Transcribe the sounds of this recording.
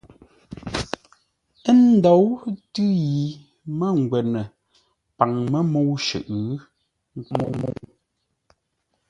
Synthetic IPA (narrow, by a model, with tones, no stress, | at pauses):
ə˦n˦dɔ˨˦wtʉ˦ji˨ | mə˦ŋ̩˨ɡwɛ˨nə˨ | pa˨ŋmə˦mo˨˦wʃʉ̰˨ʔ | mo˨mo̰˦w